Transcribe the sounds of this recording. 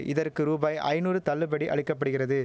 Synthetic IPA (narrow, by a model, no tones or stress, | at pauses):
ʔɪðɐrkɯɾuːbaːjʔɐ̰ɪnuːɾɯt̪ɐlːɯbɐɽiʔɐɭɪkːɐp̬ːɐɽɯɣɪrɐðɯ